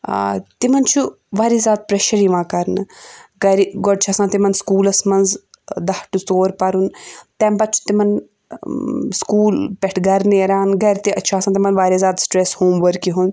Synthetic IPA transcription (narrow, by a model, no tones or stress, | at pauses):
t̪imɐnt͡ʃʰu | ʋaːɾiːzʲaːt̪̚pɾɐʃɐɾiːʋãːkɐɾnɨɡɐɾiɡɔɖ̚t͡ʃʰaːsãːt̪imɐnskuːlɐsmɐnz | d̪ɐʈut͡soːɾpɐɾunt̪ɛ̃ːmpɐt̪̚t͡ʃʰu̥t̪imɐn | skuːlpʲɛʈʰɡɐɾneːɾaːnɡɐɾt̪iʔɐt͡ʃʰaːsaːt̪imɐnʋaːɾiːzaːd̪sʈɾeshoːmʋɐɾkiɦun